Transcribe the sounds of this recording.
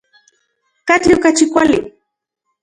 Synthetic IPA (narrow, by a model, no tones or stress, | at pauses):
kat͡ɬʊkat͡ʃɪkʷalɪ